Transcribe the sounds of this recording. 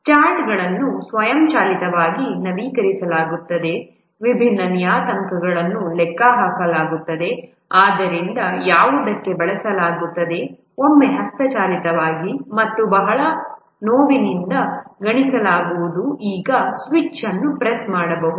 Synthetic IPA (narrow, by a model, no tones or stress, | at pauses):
t͡ʃaːɾʈɡɐɭɐnːusʋɐjɐmt͡ʃaːlit̪ɐʋaːɡinɐʋiːkɐɾisɐlaːɡut̪ːɐd̪e̞ | ʋibʱinːɐnijaːt̪ɐŋkɐɡɐɭɐnːulɛkːaɦaːkɐlaːɡut̪ːɐd̪e̞ | aːd̪ɐɾind̪ɐjaːʋud̪ɐkːe̞bɐɭɐsɐlaːɡut̪ːɐd̪e̞ | omːe̞ɦɐst̪ɐt͡ʃaːlit̪ɐʋaːɡimɐt̪ːubɐɦɐɭɐ | noːʋinind̪ɐɡɐɳisɐlaːɡuʋud̪uʔiːɡɐsʋit͡ʃːɐnːupɾesmaːɽɐbɐɦud̪